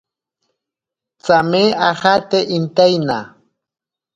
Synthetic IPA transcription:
t͡sameʔaxat̪eʔint̪ajna̰

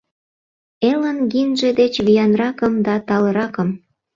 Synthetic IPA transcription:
elənɡinʒed̪et͡ɕβijɑnrɑkəmd̪ɑt̪ɑlə̆ɾɑkəm

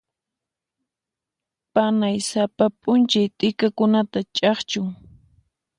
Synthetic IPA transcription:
panajsapapʼʊnt͡ʃajt̪ʼɪkakʊnat̪at͡ʃʼɑχt͡ʃʊŋ

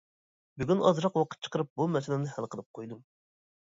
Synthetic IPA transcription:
byɡʲynɑzɾɑqwɑqʰə̥t̪̚t͡ʃʰə̥qəɾɨp̚bumɛsɪlɪnɪhælˠqʰəlˠɨp̚qʰojd̪um

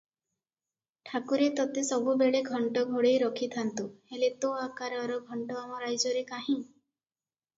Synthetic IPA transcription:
ʈʰakuɾet̪ɔt̪esɔbʱubeɭeɡʱɔɳʈɔɡʱoɽejɾɔkʰit̪ʰant̪uhelet̪oakaɾɔɾɔɡʱɔɳʈɔamɔɾajd͡ʒɔɾekaɦĩ

